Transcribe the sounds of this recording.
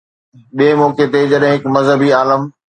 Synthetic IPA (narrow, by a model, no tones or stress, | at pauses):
ɓiemɔːket̪ed͡ʑɐɗɦɪ̃ɦɪkmɐzɦəbiaːləm